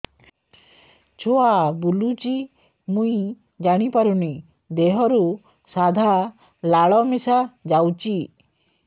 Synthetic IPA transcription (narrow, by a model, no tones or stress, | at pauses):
t͡ʃʰoabulut͡ʃi | muĩ | d͡ʒaɽ̃ipaɾuni | d̪eɦɔɾu | sad̪ʱa | laɭɔmesad͡ʒawt͡ʃi